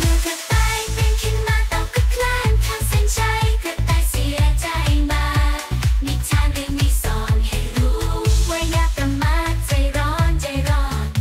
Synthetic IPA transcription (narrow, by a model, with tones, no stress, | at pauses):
mɯ˧˥k̪ʰa˧˩t̪a˧jme˧nkʰi˧˥nmaː˧t̪ɔ˨˧˩kɯ˧˥kʰlaː˧˥˩ŋt̪ʰa˧˥si˧˥nt͡ɕʰa˧jkɯ˧˩t̪aː˧˩jsi˨˦t͡ɕa˧˩jmaː˧ni˧˥t͡ɕʰaː˧˩nli˧˥miː˧˥sɔː˨˦nha˨˧˩jɾuː˦˥wa˧jnaː˧ppɾa˧mːaː˧˩t̪̚sa˨˧˩jɾɔː˦˥nt͡ɕa˨˧˩jɾɔː˧˩n